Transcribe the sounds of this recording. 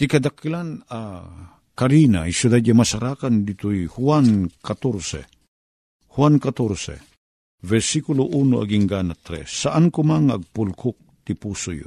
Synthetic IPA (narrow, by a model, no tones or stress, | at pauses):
t̪ikɐd̪akilana | kaɾina̰jsud̪ad̪̚ɲamɐsaɾaːkand̪it̪ojhuwankat̪oɾsɛ̰ | hwankat̪oɾsɛ̰ | vɛɾsikuloʔunoɐ̰ɡiŋɡanat̪ɾɛ̰sːaʔankʊmaŋɐɡ̚pʊlkʊk̚t̪ipuːsʊjo̰